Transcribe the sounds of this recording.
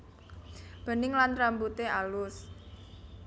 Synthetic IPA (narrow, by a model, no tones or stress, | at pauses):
b̥ə̤nɪŋlanrambut̪eʔalʊs